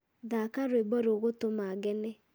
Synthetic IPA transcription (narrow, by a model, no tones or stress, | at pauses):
ðakaɾwebɔɾoɣotomaɡɛnɛ